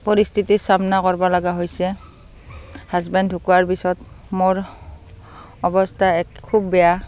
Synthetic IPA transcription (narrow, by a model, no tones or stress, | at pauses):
pɔɹistʰitisamnakɔɹbɔlaɡaɦojsɛ | hazbɛndʱukuwaɹpisɔtmoɹ | ɔbɔstʰaɛkkʰːubːɛja